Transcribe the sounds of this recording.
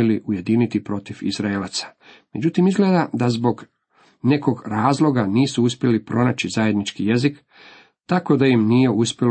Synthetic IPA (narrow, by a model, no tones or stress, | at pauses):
eliʔuje̞d̪iːnit̪ipɾo̞t̪ifḭzɾaelat̪sḁ | me̞d͡ʑut̪imizɡled̪ad̪azbo̞ɡ | ne̞koɡɾaːzlo̞ɡaniːsuuspjelipɾʔo̞naːt͡ɕizaje̞d̪nit͡ʃkije̞zik | t̪ako̞d̪ajimniːje̞uspʲjel